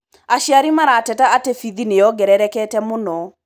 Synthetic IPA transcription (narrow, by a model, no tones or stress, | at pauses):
aʃiaɾimaɾatɛtaatefiðinejɔɡɛɾɛɾɛkɛtɛmonɔ